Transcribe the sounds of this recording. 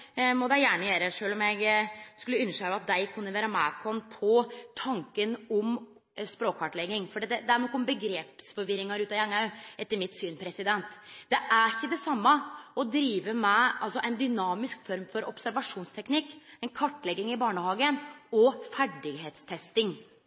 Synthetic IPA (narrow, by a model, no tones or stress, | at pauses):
mɔd̪æɪjæːɳəjeːɾəʂøːlɔmjɛɡskʉlːəʉnːəʂɑʋɑt̪̚d̪æɪkʰʉnːəʋeːɾɑmæːkʰɔnpʰɔt̪ʰɑŋkənɔm | spɾoːkʰːɑʈlɛɡːɪŋfɔɖiːd̪ɛd̪ɛæɳɔkːɔmbəɡɾeːpsfɔɾʋɪɾɪŋɑɾʉːt̪ɑjɑŋɑʉʔɛt̪ːəɾmɪt̪syːnpʰɾɛsɪd̪ɛnt̪d̪ɛʔæɾçːəd̪ɛsɑmːɑɔd̪ɾiːʋəmɛʔɑlsɔʔɛɪnd̪ʏnɑːmɪskfɔɾmfɔɾɔpsæɾʋɑʂuːnst̪ʰɛknɪkːɛnkʰɑʈːlɛɡːɪŋɪbɑːɳəhɑːɡənɔfæɖɪɡɦeːt̪st̪ʰɛst̪ɪŋ